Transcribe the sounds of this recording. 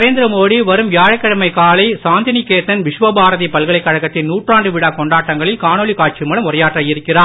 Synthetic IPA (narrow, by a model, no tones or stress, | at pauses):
ɐɾeːnd̪ɪɾɐmoːɽiʋɐɾɯmʋjaːɻɐɪkːɐɽɐmɐɪkaːlɐɪsaːnd̪ɐnikeːt̪ːɐnʋɪʂʋɐbaːɾɐðipɐlɣɐɭɐɪkːɐɻɐɣɐt̪ːɪnnuːʈraːɳɖɯʋɪɽaːkɔɳɖaːʈːɐŋɡɐɭɪlkaːnoːɭikaːʈ̚t͡ʃimɐɭɐmʊrɐjaːʈrɐːjɪɾɯkːɪraː